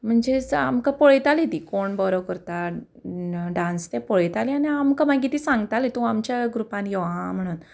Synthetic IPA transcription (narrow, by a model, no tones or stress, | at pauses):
m̤əɳd͡zea̰mkapɔɭjt̪alit̪ikoɳbɔɾɔʋkəɾt̪a | ɖãnst̪ẽpɔɭjt̪alianiamkamaɡit̪isãŋɡt̪alit̪ɔũamt͡ɕjaɡɾupãnjɛʋãm̤əɽ̃uːn